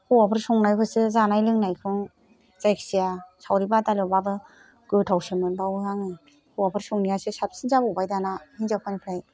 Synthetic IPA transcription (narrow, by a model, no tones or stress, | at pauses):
hʰuwapʰɯɾsɔŋnajkʰɯsɯzanajlɯŋnajkʰɯŋ | zajkʰsiasʰawɾibatalɔbabɯ | ɡɯtʰawsɯmɯnbawɯhaŋɯ | hʰuwapʰɯɾsɔŋniasɯsap̚sinzabubajdanahinzakʰanipʰɾaj